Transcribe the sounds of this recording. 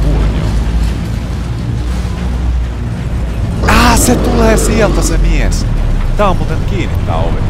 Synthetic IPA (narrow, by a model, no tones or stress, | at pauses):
ur̰o̰ | æːset̪uleːsielt̪æsemiest̪æːomuːt̪enkiːnːit̪ːɑ̰uʋḛ